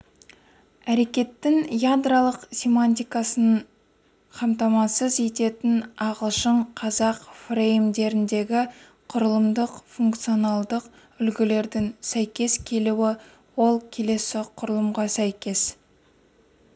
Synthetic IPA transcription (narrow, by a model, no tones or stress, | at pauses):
æɾe̞kʲe̞t̪ːɪŋjad̪ralˠəqsʲe̞manʲt̪ʲijkɑsən | qʰɑmt̪ɑmɑsəze̞t̪e̞t̪ɪnɑʁəlˠʃəɴqʰɑzɑqfrejmd̪e̞ɾɪnd̪e̞ɡʲɪ | qʰʊɾəlˠəmd̪əqfuŋkt̪sijo̞nɑlˠd̪əq | ʏlɡʲɪle̞ɾd̪ɪŋsæjkʲe̞skʲʰe̞luwɪ | wo̞lˠkʲʰe̞le̞sɪqʰʊɾəlˠəmʁɑsæjkʲe̞s